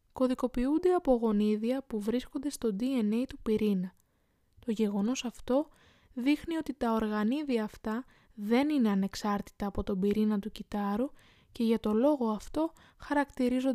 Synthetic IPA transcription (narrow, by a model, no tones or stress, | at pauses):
ko̞ðiko̞piund̪eɐpoɣo̞niðiɐpuvɾisko̞nd̪e̞st̪o̞d̪ie̞ne̞jt̪upiɾinɐ | t̪o̞ʝe̞ɣo̞no̞sɐft̪o̞ | ðixnio̞t̪it̪ɐo̞ɾɣɐniðiɐːft̪ɐ | ðe̞nine̞ɐne̞ksɐɾt̪i̥t̪ɐːpo̞t̪o̞biɾinɐt̪ucit̪ɐɾu | ce̞ʝɐt̪o̞lo̞ɣo̞ɐft̪o̞ | xɐɾɐkt̪iɾizo